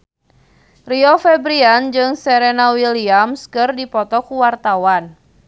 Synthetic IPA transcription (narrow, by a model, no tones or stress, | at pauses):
riɔfɛbɾiand͡ʒɨŋsɛɾenawiliamskɨrdipɔt̪ɔkuwart̪awan